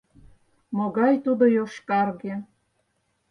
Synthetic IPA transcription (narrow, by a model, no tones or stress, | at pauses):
moɣɑjt̪ud̪ojoʃkɑrɣe